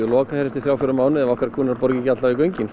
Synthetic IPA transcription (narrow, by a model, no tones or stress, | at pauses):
ʏlɔːkahɛɾɪst̪ɪθjaːwfʏɾʏmaːwnɪðɛvɔhkɾaɾkʰuːnaɾpɔɾcɪcat̪laɪkœɥɲcɪn